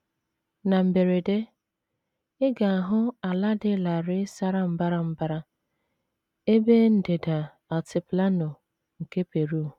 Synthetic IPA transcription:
na˨m̩˨be˨ɾe˨de˦ | ɪ˦ɡa˨a˨ɦʊ˦a˨la˦dɪ˦la˨ɾɪ˦sa˦ɾa˨m̩˦ba˦ɾa˨m̩˦ba˦ɾa˦ | e˦be˦n̩˦de˨da˨ | ɔ˨tɪ˨pla˦nʊ˨ | ŋ̩˨ke˦pe˨ɾu˦˨

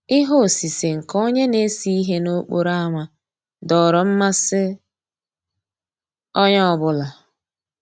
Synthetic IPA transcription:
ɪ˦ɦo˦˨si˨se˨ŋ̩˨ko˦ɲe˦ne˦si˦i˦ɦe˦no˦k͡po˨ɾa˦ŋʷa˨ | dɔ˨ɾɔ˨m̩˦ma˦sɪ˦ | ɔ˦ɲɔ˦˨bʊ˦la˨

